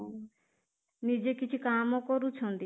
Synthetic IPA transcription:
nid͡ʒekit͡ʃʰikamɔkɔɾut͡ʃʰɔ̃nd̪i

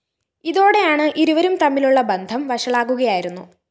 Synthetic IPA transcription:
iðo̞ːɽe̞jaːɳɨʔiɾuʋɐɾumt̪ɐmːiluɭːɐbɐnd̪ʱɐmʋɐʂɐɭaːkuɣɐjaːjiɾunːu

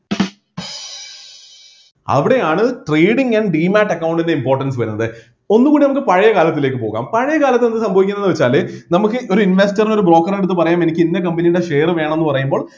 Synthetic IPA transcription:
ɐ̰ʋiɽe̞jaːɳɨʈreːɽiŋɡɐɳɖɖiːmaːʈːɐkːɐwɳɖinde̞impo̞ːrʈːɐnsɨʋɐɾunːɐðɨ | o̞nːukɣuːɽinɐmuk̬ːɨpɐɻɐjɐkaːlɐt̪ːile̞ːk̬ːɨpo̞ːɣa̰ːmpɐɻɐjɐkaːlɐt̪ːenːɨsɐmbʱɐʋikʲːunːenːɨʋet͡ɕːaːlenɐmukːɨʔo̞ɾuinʋestɐrino̞ɾubro̞ːkːɐreɽut̪ːɨpɐrɐjaːme̞nikʲːinːɐk̬ɐmbɐnijuɽeʂeːrʋe̞ːɳɐmenːɨpɐrɐjumbo̞ːɭ

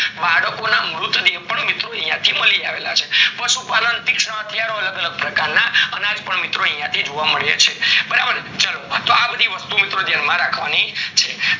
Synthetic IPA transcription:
baɽəkonamɾʊt̪d̪ipəɳmɪt̪ɾoə̃ɦjãt̪ʰiməliaʋela̰t͡ʃʰepəʃupalənt̪ikʂɳə̃ɦət̪ʰjaɾoələɡələɡ̚pɾəkaɾnaənad͡ʒpəɳmɪt̪ɾoə̃ɦĩjãt̪ʰid͡ʒoʋaməɭjḛt͡ʃʰebəɾabəɾt͡ʃalot̪oabəd̪ʱiʋəst̪umɪt̪ɾod̪ʱjanmãɾakʰʋanit͡ʃʰe

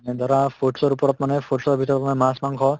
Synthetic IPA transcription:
ned̪əɾãfoʈsɔɾupɾɔt̪mənefoʈsɔɾbʱit̪əɾɔt̪mənemãsmãŋɡʰɔ

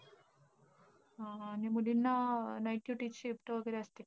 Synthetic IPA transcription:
aːnimuɖinːanajʈjuʈit͡ɕiːpʈəʋəɡəɾeəst̪e

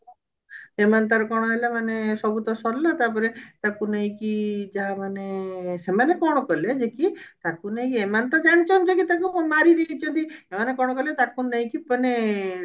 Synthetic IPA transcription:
emant̪̬aɾɔkɔɽ̃ɔɦelamanesɔbut̪ɔsɔɾlat̪apɔɾet̪akunaĩkid͡ʒaɦamanesemanekɔɽ̃ɔkɔled͡ʒekit̪akunaĩkiemant̪ɔd͡ʒaɽ̃t͡ʃɔnd͡ʒekit̪akumaɾid̪it͡ʃʰɔnt̪iemanekɔɽ̃ɔkɔlet̪akunaɦĩkipɔne

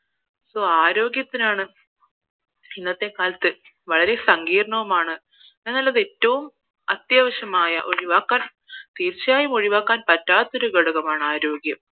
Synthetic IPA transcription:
so̞ːaːɾo̞ːɡjɐt̪ːinaːɳɨ | inːɐt̪ːe̞kaːlɐt̪ːɨ | ʋɐɭɐɾe̞sɐŋɡiːrɐɳɐʋumaːɳɨ | enːɐlːɐðe̞tːɐʋum | ɐt̪jaːʋɐɕjɐmaːjɐ̰ʔo̞ɾiʋaːkːaːn | t̪iːrt͡ɕːjaːjumo̞ɻiʋaːkːaːnpɐtːaːt̪ːoɾuɡɐɽuɣɐmaːɳɨaːɾo̞ːɡjɐm

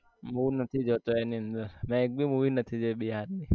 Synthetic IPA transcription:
muʋnət̪ʰid͡ʒot̪oeniənd̪əɾmɛ̃ek̚bʱimuʋinət̪ʰid͡ʒoɓiɦaɾi

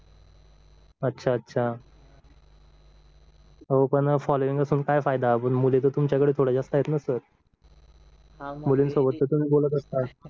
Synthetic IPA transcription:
ətːɕʰaətːɕʰa | ɦopəɳfɔloiŋɡəsuːnkajfajd̪apəɳmulet̪ot̪umt͡ɕjakəɽeːt̪ʰoɽad͡zast̪ajet̪nasəɾ | muliːnsobət̪ːət̪um̤iːbolət̪əst̪at̪

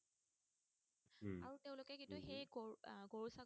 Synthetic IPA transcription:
aɹuteʊ̃lʊkɛkĩntuxejɡoɡoɹusa

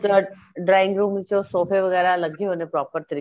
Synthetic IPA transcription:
t̪ə | ɖɾaːɪ̃ŋɡɾuːmd͡ʒoːsoːfʰeʋɐɣɛːɾalɐɡʱeɦoːnepɾɔːpəɾt̪ɐɾiː

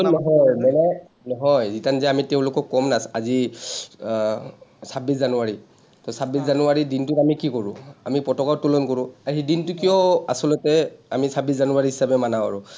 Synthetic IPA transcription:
ɔnɔɦɔjmɛlɛ | nɔɦɔjzitanzɛamitɛʊ̃lʊkɔkɔmnasazi | sabiszanʊwaɹi | tɔsabiszanʊwaɹidintʊamikikɔɹʊ̃amipɔtɔkatulɔnkɔɹʊ̃aɦidintʊkijɔa̰sɔlɔtɛamisabiszanuwaɹiɦi̥sabɛmanawa̰ɹʊ

